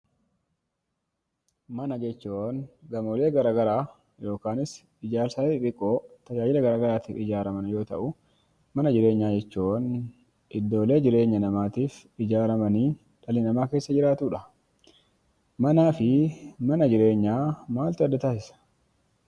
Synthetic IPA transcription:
mɐnɐd͡ʒɛt͡ʃːuːnɡɐmole̞ːɡɐɾaːɡɐɾaː | jo̞ːkaːnɪs | ɪd͡ʒaːɾsaːɪᶑʼɪkʼːo̞ːt̪ɐd͡ʒaːd͡ʒɪlɐɡɐɾaːɡɐɾaːt̪iːfɪd͡ʒaːɾɐmɐnjo̞ːt̪ɐ̰ʔʊ | mɐnɐd͡ʒɪɾe̞ːɲːaːd͡ʒɛt͡ʃːuːʔn | ʔɪd̪ːo̞ːle̞ːd͡ʒɪɾe̞ːɲːɐnɐmaːt̪iːf | ɪd͡ʒaːɾɐmɐniː | ᶑɐlɪnɐmaːke̞ːsːɐd͡ʒɪɾaːt̪uːᶑɐ | mɐnaːfɪmɐnɐd͡ʒɪɾe̞ːɲːaːmaːlt̪ʊɐd̪ːɐt̪aːsɪsɐ̥

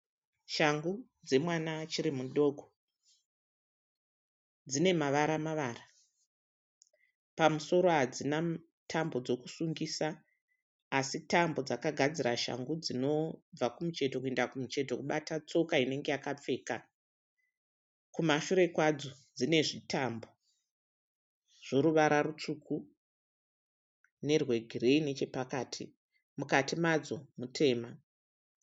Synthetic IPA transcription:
ʃaŋɡu | d͡ze̞mwanat͡ʃirimuɗo̞ːɡʱo | d͡zine̞maʋaɾamaʋara | pamuso̞ɾo̞ɦad͡zina | tʰambo̞d͡zo̞ku̥suŋɡisaː | sitambo̞d͡zakaɡʱad͡ziraʃa̰ŋɡud͡zino̞b͡vakumut͡ʃe̞tokuendakumut͡ʃe̞to̞kuɓatat͡so̞kaine̞ŋɡe̞jakap͡fe̞ːka | kumaʃuɾe̞kwad͡zod͡zine̞ʐitʰambo̞ | ʐ̥o̞ɾuʋaɾarut͡ʂuku | ne̞rwe̞ɡʱire̞ine̞t͡ʃe̞pakaːtʰḭ | mukatimad͡zo̞mutʰe̞ːma

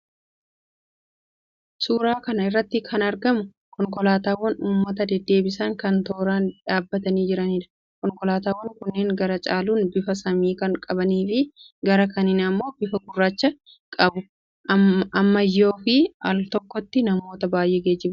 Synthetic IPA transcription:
suːɾaːkɐnɐɪrːɐt̪ːɪkʰɐnɐɾɡɐmʊ | kɔŋkɔlaːt̪aːwːɐnuːmːɐt̪ɐd̪ɛd̪ːe̞ːbɪsɐŋkɐnt̪o̞ːɾaːnᶑaːbːɐt̪ɐniːd͡ʒɪɾɐniːᶑɐ̥ | kɔŋkɔlaːt̪aːwːŋkʊnːeːŋɡɐɾɐt͡ʃʼaːluːnbɪfɐsɐmiːkɐŋkʼɐbɐniːfɪ | ɡɐɾɐkɐnɪnɐmːo̞ːbɪfɐɡʊrːaːt͡ʃːɐ | kʼɐbʊ | ɐmːɐjːo̞ːfɪɐlt̪ɔkːɔt̪ːɪnɐmo̞ːt̪ɐbaːjʔeːɡeːd͡ʒɪb

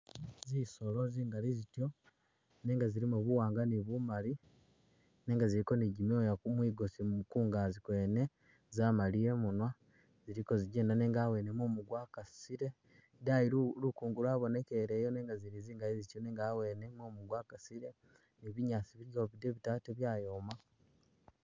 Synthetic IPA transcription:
ziso̞loziːŋɡalizitjo̞ | neːŋɡaziɾimuβuwaːŋɡaniβumaɾi | ne̞ːŋɡaziɾiko̞niɟimojaumwiːɡosimuukuːŋɡaːzikwe̞ːne̞ | zamalije̞munwa | z̥iɾiko̞ziɟeːnaneːŋɡaːwe̞ːne̞momuɡwaːkasiɾe | daiɾuɾukuːŋɡuɾwaːβo̞ne̞keɾejoneːŋɡaziɾiziːŋɡaizitoneːŋɡawe̞ːne̞momuɡwakasiɾe̞ | niβiɲaːt͡siβijoβideβitaːteβjaːjoma

